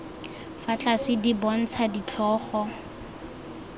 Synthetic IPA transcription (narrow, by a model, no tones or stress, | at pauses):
fat͡ɬʼasɪdibɔn̩t͡sʰadit͡ɬʰɔːχɔ